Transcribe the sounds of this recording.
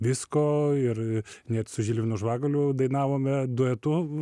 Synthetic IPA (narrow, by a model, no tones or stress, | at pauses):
ʋʲɪskoːɪrnʲɛt̪sʊʒʲɪlʲʋʲɪnʊʒʋɑːɡɐlʲʊd̪ɐɪnɑːʋoːmʲɛd̪ʊɛt̪ʊ